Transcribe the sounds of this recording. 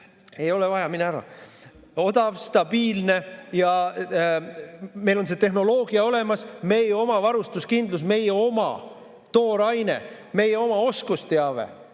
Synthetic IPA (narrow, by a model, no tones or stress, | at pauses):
e̞jo̞levɑjɑminæɾɑ̰ | o̞d̪̥ɑvst̪ɑb̥iːlne̞jɑ | me̞jlons̬e̞t̪e̞ɦno̞lo̞ːɡ̥iɑo̞le̞mɑsme̞jeo̞mɑvɑɾust̪uskind̪lus̬me̞jeo̞mɑ̰ | t̪o̞ːɾɑjne̞̰ | me̞jeo̞mɑo̞skust̪eɑve̞̰